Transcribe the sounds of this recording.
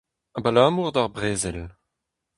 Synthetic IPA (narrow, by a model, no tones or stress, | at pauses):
abalaːmuʁd̪aʁbʁeːzɛl